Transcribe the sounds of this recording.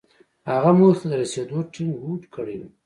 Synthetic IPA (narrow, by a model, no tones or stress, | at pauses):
haɣamut̪ad̪əɾased̪oʈʰɪŋɡɡuʈkʰəɽi